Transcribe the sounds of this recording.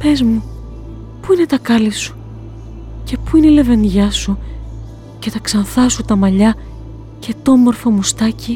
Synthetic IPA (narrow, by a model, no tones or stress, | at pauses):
pe̞zmu | puine̞t̪ɐkɐlisu̥ | ce̞puineile̞ve̞nʝɐsu | ce̞t̪ɐksɐnθɐsut̪ɐmɐʎɐ | ce̞t̪omo̞ɾfomust̪ɐci